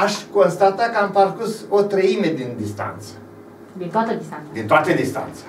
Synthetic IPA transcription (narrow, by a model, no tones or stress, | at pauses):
aʃko̞nst̪at̪akəampərkusot̪ɾəime̞d̪ind̪ist̪a̰nt̪sə̥ | d̪int̪oat̪əd̪id̪int̪oat̪ed̪ist̪a̰nt̪sḁ